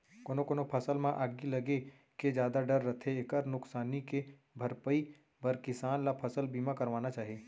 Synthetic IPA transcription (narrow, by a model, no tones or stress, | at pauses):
koːnokonopʰɐsəlmãʔaːɡilɐɡe | ked͡ʒjaːd̪aɖəɾːɐt̪ʰeekəɾnʊksaːnike | bʱɐɾpəi | bɐɾkɪsaːnlapʰɐsəlbiːmãkɐɾʋaːnat͡ʃaːɦeː